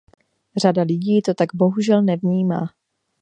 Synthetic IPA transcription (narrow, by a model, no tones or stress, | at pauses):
r̝adalɪɟiːt̪o̞t̪aɡbo̞ɦuʒɛlnɛvɲiːmaː